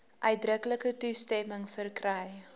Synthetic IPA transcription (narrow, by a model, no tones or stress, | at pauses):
ʔœɥ̚drəkləkətustɛməŋfərkrɛj